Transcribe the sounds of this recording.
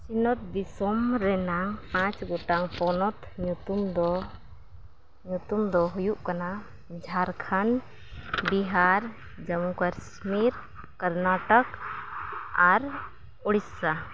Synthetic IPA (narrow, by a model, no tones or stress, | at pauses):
sinɔt̪̚b̪isɔmɾɛnaŋpãt͡ʃɡɔʈaŋpɔnɔt̪ɲut̪umd̪ɔ | ɲut̪umd̪ɔɦujuʔkana | d͡ʒʱaɾkʰan | biɦaɾ | d͡ʒamukaɾs | miɾ | kəɾnaʈɔk | aɾ | ɔɽissa